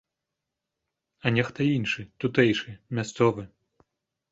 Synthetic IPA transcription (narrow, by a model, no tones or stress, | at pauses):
ɐnʲɛxt̪ɐinʂɨt̪ut̪ɛjʂɨmʲast̪sɔvɨ